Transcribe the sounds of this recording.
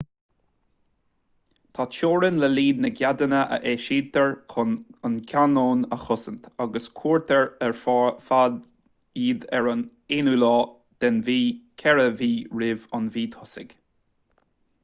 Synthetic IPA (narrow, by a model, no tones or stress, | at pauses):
t̪ʰat͡ʃoːɹənləliːd̪nəɡjad̪ənəʔə̰ʔɛːʃiːt̪əɹʰənkʰanoːnəxʊsənt̪aɡəskʰuːɹt̪ʰəɹɛɹffad̪ | iːd̪ɛɹən | enuːlɑː | d̪̥ɛnviːkʲʰɛɹəviːɹɪvɑnviːt̪ʰʊsɪ̰ɡ̥